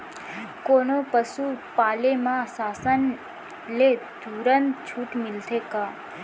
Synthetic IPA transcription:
koːnopəsupaːlemãsaːsən | led̪uːɾənt̪t͡ʃʰuːʈmɪlt̪ʰeːkaː

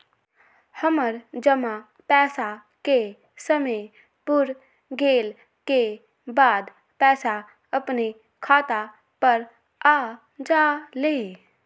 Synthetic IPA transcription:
həməɾd͡ʒəma | pɛːsa | ke | səmə | pʊɾ | ɡeːl | ke | baːd̪ | pɛːsa | əpne | kʰaːt̪a | pəɾ | aː | d͡ʒaːleː

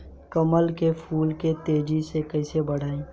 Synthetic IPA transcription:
kəməlkepʰuːlket̪eːd͡ʒisekɐɪsebɐɽ̤aːẽː

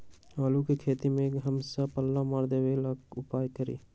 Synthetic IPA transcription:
aːlukekʰeːt̪imẽkɦəmsapəlːamaːɾd̪eweləkʊpaːjkəɾḭː

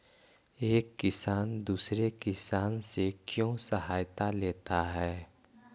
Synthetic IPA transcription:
eːkːɪsaːnd̪uːsɾekɪsaːnsekjõːsəɦaːjt̪aleːt̪aɦɛː

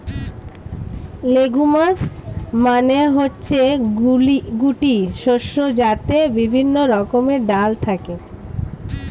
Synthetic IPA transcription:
leɡumasmaneɦotːɕʰe | ɡuʈiʃoʃːod͡ʑat̪ebibʱinːoɾɔkomeɖalt̪ʰake

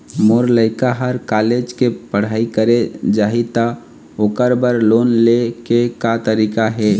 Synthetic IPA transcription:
moɾləɪkaɦəɾkaled͡ʒkepəɽ̤aikəɾed͡ʒaːɦit̪ə | okəɾbəɾlonlekekat̪əɾikaɦɛ

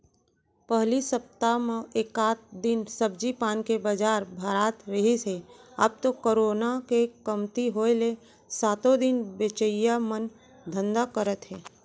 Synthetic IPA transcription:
pəɦlisəp̚t̪amẽeːkaːt̪̚d̪ɪnsəb̚d͡ʒipaːnkebəd͡ʒaːɾbʱəɾaːt̪ɾəɦisea̰ːb̚t̪okoɾoːnakekəmt̪iɦoːele | saːt̪od̪ɪnbet͡ʃəijamən | d̪ʱə̃nd̪akəɾət̪ɦɛː

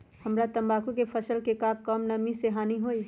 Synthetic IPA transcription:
hɐmɾat̪ɐ̃mbaːkukepʰəsəlkekaːkəmnɐmiseɦaːniɦoːi

